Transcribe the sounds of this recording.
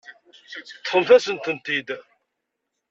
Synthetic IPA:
θχəmθæsənt̪ənt̪id̪

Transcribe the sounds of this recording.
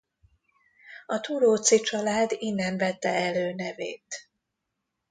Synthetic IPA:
ɒt̪uɾoːt̪sit͡ʃɒlaːd̪inːɛɱvɛt̪ːɛɛløːnɛvḛːt̪

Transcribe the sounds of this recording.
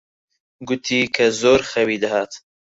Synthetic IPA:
ɡʊt̪ʰiːkʰɐzoːɾxɐwiːd̪ɐhaːt̪

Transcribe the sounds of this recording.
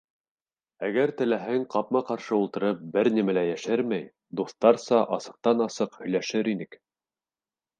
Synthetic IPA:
æɡæɾt̪ɘ̆læɦæŋqɑp̚mɑqɑɾʃɤulˠt̪ɤ̆ɾɤp̚bɘɾnimælæjæʃæɾmæj | d̪uθt̪ɑɾsɑʔɑsɤ̆q̚t̪ɑnɑsɤqhɵ̆jlæʃɘɾinɘk

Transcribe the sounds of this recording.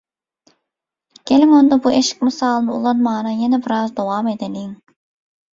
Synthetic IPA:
ɡ̥ʲelimond̪ɑbueʃi̥k̚ʲmɨsɑːlˠnɯulˠɑnmɑːnɑjenɛbiɾɑzd̪owɑːmed̪eniŋ

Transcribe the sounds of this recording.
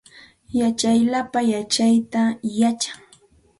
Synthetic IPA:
jat͡ʃajlapajat͡ʃajt̪ajat͡ʃḁŋ

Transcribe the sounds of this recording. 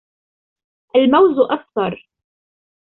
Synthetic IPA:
ʔalmawzʔakt̪ɑɾˤ

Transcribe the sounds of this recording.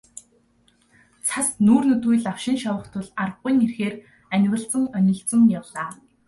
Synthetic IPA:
t͡sʰasnuːrnɵt̪ujɮawʃɪ̆nʃawə̆χt̪ʰʊɮarə̆ːʊjŋerxeːr | ænʲwə̆ɬt͡sə̆ŋœnʲɞ̆ɮt͡sə̆ŋjawɮaː

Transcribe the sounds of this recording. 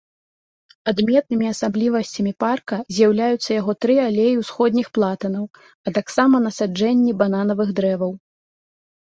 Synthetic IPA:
ad̪mʲɛt̪nɨmʲiɐsablʲivɐsʲt͡sʲɐmʲiparkɐzʲjawlʲajut̪sːɐjaɣɔt̪ɾɨalʲejiwsxɔd̪ʲnʲixplˠat̪ɐnɐw | ɐt̪aksamɐnɐsad͡ʐɛnʲːibananɐvɨɣd̪ɾɛvɐw

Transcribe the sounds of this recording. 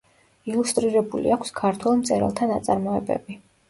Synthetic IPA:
ilˠust̪ʼɾiɾɛbulḭakʷʰskʰaɾt̪ʰwɛlˠmt̪sʼɛɾa̰lˠt̪ʰana̰t̪sʼaɾmɔɛ̰bɛ̰bi

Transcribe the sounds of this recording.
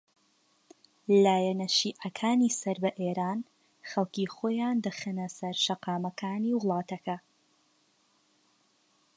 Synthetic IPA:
laːjɛnɐʃiːʔɐkʰaːniːsɐɾbɐʔeːɾaːn | xɐlˠkiːxoːjaːnd̪ɐxənɐsɐɾʃɐqɑːmɐkʰaːniːwʊlˠɑːt̪ɐkʰɐ

